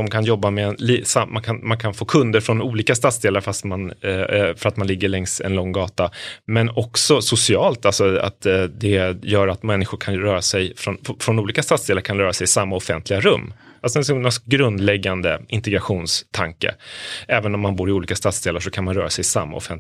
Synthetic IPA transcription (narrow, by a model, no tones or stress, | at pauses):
ɔmkʰanjɔbːamɛnlisamankʰanmankʰanfoːkʰɵnd̪əɾfɾɔnuːliːkast̪at̪sd̪eːlaɾfast̪manfœɾat̪manlɪɡːəɭɛŋsɛ̰nlɔŋːɡɑːt̪amɛnɔksɔsʊsɪɑːlt̪alsɔa̰t̪d̪ɛjœːɾat̪mɛnːɪɧʊɾkʰanɾœːɾasɛjfɾɔnfɾɔnuːliːkast̪at̪sd̪eːlaɾkʰanɾœːɾasɛjɪsamːaɔfɛnt̪ʰlɪɡaɾɵmː | alsɔɛsnasɡɾɵnd̪lɛɡːand̪əʔɪnt̪ɛɡɾaɧuːnst̪ʰaŋkə̰ʔɛːvənɔmːanbuːɾɪuːliːkast̪at̪sd̪eːlaʂɔkʰanmanɾœːɾasɛjɪsa̰mːa̰ɔ̰fɛn